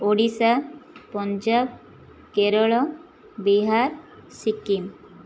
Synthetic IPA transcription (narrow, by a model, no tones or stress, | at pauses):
oɽisapɔnd͡ʒab̚ | keɾɔɭɔ | biɦaɾsikim